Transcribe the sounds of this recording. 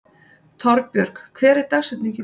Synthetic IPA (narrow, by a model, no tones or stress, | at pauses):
t̪ʰɔɾpjœɾ̥kkʰvɛːɾɪɾt̪axsɛt̪niŋcɪ